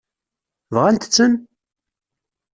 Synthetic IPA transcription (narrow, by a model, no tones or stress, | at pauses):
vʁænt̪ə̥t͡sːən